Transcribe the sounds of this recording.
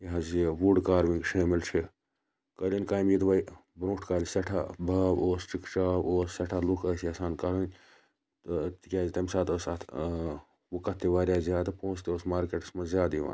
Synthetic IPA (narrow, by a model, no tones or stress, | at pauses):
jɐɦɐzeʋuɖkaːɾʋĩŋɡʃʰeːmilt͡ʃʰi | kəlʲɐnkaːjmjid̪ʋɐjbɾõːʈʰkaːlʲisɐʈʰa̰bʱaːboːst͡ʃikt͡ʃaːboːssɐʈʰalukʰəːsjɐsaːnkɐɾɐn | t̪ɨt̪ikʲaːzit̪ɐmʲsaːt̪ʰəsɐt̪ʰ | wukɐt̪ːiʋaːɾʲjaːzjaːd̪ɨpõːst̪ioːsmaːɾkeʈɐsmɐzʲjaːd̪iʋa̰ːn